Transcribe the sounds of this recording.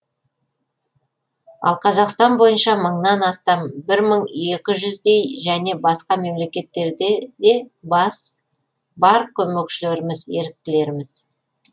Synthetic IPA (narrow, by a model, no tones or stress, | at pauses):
ɑ̰lˠqʰɑzɑqst̪ɑnbo̞jənʃɑməɴnɑnɑst̪ɑmbɪɾməɴe̞kʲɪʒʏzd̪e̞jʒæne̞bɑsqɑme̞mle̞kʲe̞t̪ːe̞ɾd̪ed̪e̞bɑs | bɑɾkʲʰɵme̞kʃɪle̞ɾɪmɪzje̞ɾɪk̚t̪ɪle̞ɾɪmɪz̥